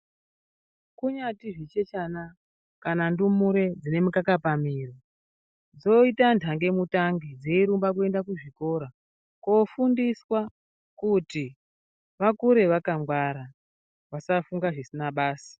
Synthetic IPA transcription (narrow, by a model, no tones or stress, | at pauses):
kuɲatiʐit͡ʃe̞t͡ʃana | kanandumuɾe̞d͡zine̞mukakapamiːro | d͡zo̞itantʰaŋɡe̞mutaŋɡid͡zeiɾumbak̬ue̞ndakuʐiko̞ɾa | ko̞fundiswa | kuti | ʋakuɾe̞ʋakamɡwaɾa | ʋasafuŋɡaʐisinaɓaːsi̥